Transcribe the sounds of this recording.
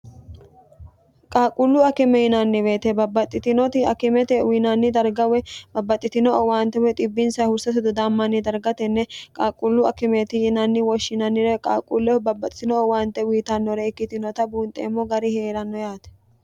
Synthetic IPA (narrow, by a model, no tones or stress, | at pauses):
kʼaːkʼʊlːʊɐkɪmɛjɪnɐnːɪbeːt̪ɛbɐbːɐt̪ʼːɪt̪ɪnɔt̪ɪɐkɪmɛt̪ɛwiːnɐnːɪd̪ɐɾɡɐwɛbɐbːɐt̪ʼːɪt̪ɪnɔwaːnt̪ɛwɛt̪ʼɪbːɪnsɐhʊɾsɐt̪ʊd̪ʊd̪aːmːɐnːɪd̪ɐɾɡɐt̪ɛnːɛkʼaːkʼʊlːʊɐ̰kɪmɛt̪ɪjɪnɐnːɪwɔʃːɪnɐnːɪɾɛkʼa̰ːkʼʊlːɛbɐbːɐt̪ʼɪt̪ɪnɔɔwaːnt̪ːɛwiːt̪ɐnːɔɾɛɪkːɪt̪ɪnɔt̪ɐbuːnt̪ʼḛːmːɔɡɐɾɪheːɾɐnːɔjaːt̪ɛ̥